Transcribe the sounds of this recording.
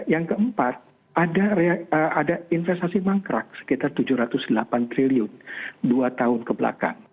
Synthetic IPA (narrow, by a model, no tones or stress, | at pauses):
jaŋkəəmpat̪̚ | ʔadaɾeaəʔadainfɛst̪asimaŋkɾak̚sə̥kit̪art̪ud͡ʒuhɾat̪ʊsdəlapant̪ɾiliʊnduat̪aɦʊnkəbəla̰ka̰n